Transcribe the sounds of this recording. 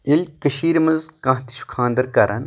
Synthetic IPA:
ilʲkɐʃiːɾmɐnzkɐ̃ːɦt̪i̥ʃu̥kʰaːnd̪ɐɾkɐɾʔɐ̰n

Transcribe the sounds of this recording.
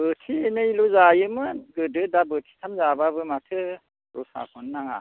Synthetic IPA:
bɯtʰienɯiluzajɯmɯnɡɯdɯdabɯtʰi̥tʰamzababɯmatʰɯ | ɾṵsa̰kʰɔnːaŋa̰

